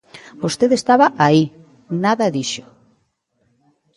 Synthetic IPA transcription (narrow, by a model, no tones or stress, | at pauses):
bost̪eðest̪aβaʔai | naðɐðiʃʊ̥